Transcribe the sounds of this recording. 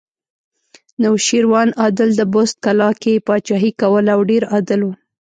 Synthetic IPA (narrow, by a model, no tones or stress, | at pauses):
nawʃiɾwɑnɑd̪ɪld̪əbost̪̚kalɑkepɑt͡ʃɑɦikawəlawɖeɾɑd̪ɪlwu